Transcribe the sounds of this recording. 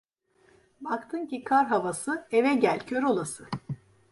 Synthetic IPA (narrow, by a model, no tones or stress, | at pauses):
bakt̪ʰɯncikʰaɾɦavasɯevɛɟælʲcʰøɾo̞lˠasɯ